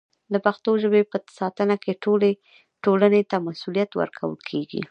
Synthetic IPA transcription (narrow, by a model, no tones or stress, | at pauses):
d̪əpaxt̪oʒəbepəsɑt̪ənakeʈole | ʈolanet̪amasulijat̪wə̰ɾkʰawə̰lkʰeɡḭ